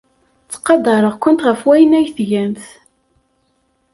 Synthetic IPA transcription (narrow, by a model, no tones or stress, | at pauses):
t͡sːqːɑd̪ˤɑɾˤəʁkʷʊnt̪ʁəfwæjənæjθʝænθ